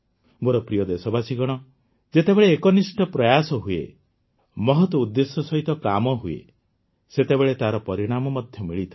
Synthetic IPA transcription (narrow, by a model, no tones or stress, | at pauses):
moɾɔpɾijɔd̪esɔbasiɡɔɽ̃ɔ | d͡ʒet̪ebeɭeːkɔnisʈɔpɾɔjasɔɦuḛ | mɔɦɔt̪wɔud̪ːesɔsɔɦit̪ɔkamɔɦuḛ | set̪ebeɭet̪aɾɔpɔɾiɽ̃amɔmɔd̪ʱjɔmiɭit̪ʰa